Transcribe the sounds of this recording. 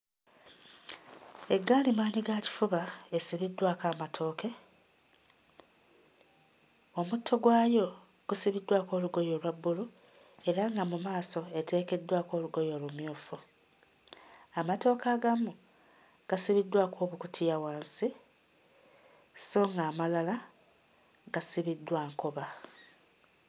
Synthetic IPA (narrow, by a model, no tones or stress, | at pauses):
e̞ɡːaːlimaːɲiɡaci̥fuβaesiβidːwaːkaːmatʰo̞ːke̞ | o̞mutʰːo̞ɡwaːjo̞ | ɡ̥usiβidːwako̞ːluɡo̞jo̞ːlwabːulu | e̞ɾaŋɡamumaːso̞e̞te̞ːke̞dːwako̞ːluɡo̞jo̞ːlumjuːfu | amato̞ːkaːɡamu | ɡ̥asiβidːwaːkʰo̞ːβukutʰijawaːnsi | so̞ːŋɡaːmalala | ɡ̥asiβidːwaːŋkoβa